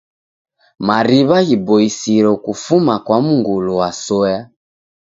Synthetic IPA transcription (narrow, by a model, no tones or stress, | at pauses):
maɾiβaɣibɔisiɾɔkufumakwamuŋɡuluwasɔja